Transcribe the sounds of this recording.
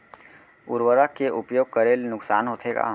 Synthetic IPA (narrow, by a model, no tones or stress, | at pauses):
ʊɾʋəɾəkeʔʊpjoːɡ̚kəɾeːlnʊksa̰ːnɦoːt̪ʰeɡa̰